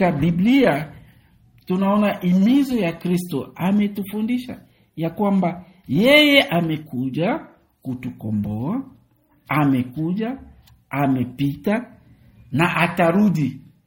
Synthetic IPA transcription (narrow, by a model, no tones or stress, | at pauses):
aɓiblia | tunaɔnaʔimizɔjakɾistɔamɛtufundiʃa̰ | jakwamba | jɛjɛʔamɛkuʄa | kutukɔ̰mbɔa | amɛkuʄa | amɛpita | naʔataɾuɗi